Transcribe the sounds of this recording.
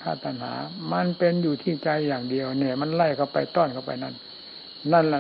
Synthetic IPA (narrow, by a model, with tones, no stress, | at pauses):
k̪ʰaː˧˥˩t̪ʰa˧˨nha̰ː˩˦ma˧˥npe˧njuː˨˩t̪ʰiː˥˩t͡ɕa˧jːaː˨˩ŋdi˧əwnɛː˧˩ma˧˥˨nla˧˩jkʰa˧˩wpa˧jt̪ɔː˧˥˩nkʰa˧˩wpa̰˧jna̰˧˥˨n | na˧˥˩nlɛ˧˩